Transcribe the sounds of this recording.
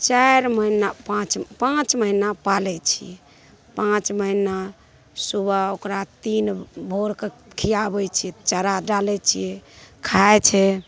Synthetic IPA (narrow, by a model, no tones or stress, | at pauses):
t͡ʃaɾməinapãt͡ʃpãt͡ʃməɦinapalɛt͡ʃʰḭjɛ | pãt͡ʃməɦina | subaokɾat̪inbʱoɾkekʰijabɛt͡ʃʰijɛt͡ʃəɾaɖalɛt͡ʃʰḭjɛkʰaet͡ʃʰɛ